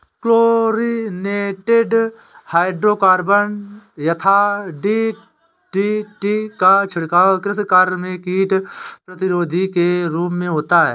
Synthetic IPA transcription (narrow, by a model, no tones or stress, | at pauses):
kloːɾineːʈeɖ | haːɪɖɾoːkaːɾbənjɐt̪ʰaɖi | ʈiʈikat͡ʃʰɪɽkaːkɾɪskaːɾmẽkiːʈpɾət̪ɪɾoːd̪ʱikeɾuːpmẽɦoːt̪aɦɛ̰ː